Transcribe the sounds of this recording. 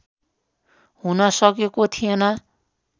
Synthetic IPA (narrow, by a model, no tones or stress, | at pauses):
hunʌsʌkekot̪ʰijenʌ